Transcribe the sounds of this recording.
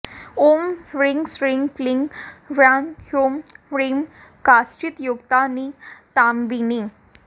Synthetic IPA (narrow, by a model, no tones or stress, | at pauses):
omɾiŋɡsɾiŋɡfliŋʋɾanhomɾim | kast͡ɕit̪joɡt̪anit̪ambini